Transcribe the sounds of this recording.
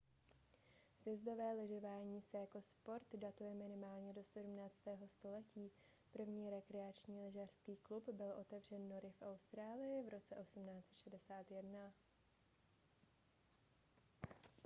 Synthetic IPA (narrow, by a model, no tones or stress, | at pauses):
sjɛzdo̞vɛːlɛʒɛvaːɲiːsɛjako̞spo̞ɾt̪dat̪ujɛmɪnɪmaːlɲɛdo̞sɛdumnaːt͡st̪ɛːɦo̞st̪o̞lɛciː | pr̩vɲiːɾɛkɾɛat͡ʃɲiːlɛʒar̥skiːklupbɪlʔo̞t̪ɛvr̝ɛnːo̞ɾɪfʔawst̪ɾaːlɪjɪvɾo̞t͡sɛʔo̞sumnaːt͡sɛt̪ʃɛdɛsaːt̪jɛdna